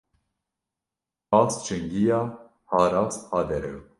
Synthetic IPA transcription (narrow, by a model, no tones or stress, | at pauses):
ɑːst͡ʃɨŋɡijɑː | hɑːɾɑːshɑːd̪ɛɾɛ̰w